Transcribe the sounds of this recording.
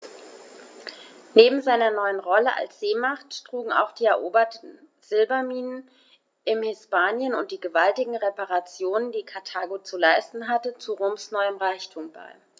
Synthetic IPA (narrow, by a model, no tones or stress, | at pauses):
neːbm̩zaɪnɐnɔʏənʁɔləʔa̰lsz̥eːmaχtːʁ̥uːɡŋ̩a̰ʊxd̥iːɛɐʔoːbɐtn̩ | z̥ɪlbɐmiːnən | ɪmhɪspaːnjənʊnt̚d̥iːɡəvaltɪɡŋ̩ʁepaʁat͡sjoːnəndiːkʰaɐtʰaːɡot͡sulaɪstn̩ɦatət͡suʁoːmsnɔʏəmʁaɪçtʰuːmb̥a̰ɪ